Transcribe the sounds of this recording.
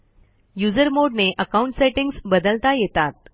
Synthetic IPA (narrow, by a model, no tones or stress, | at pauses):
jud͡zəɾmoɖneʔəkauɳʈseʈiŋɡsbəd̪əlt̪ajet̪at̪̚